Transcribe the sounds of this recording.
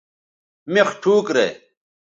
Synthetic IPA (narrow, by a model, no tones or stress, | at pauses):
meχʈʰuːkɾḛ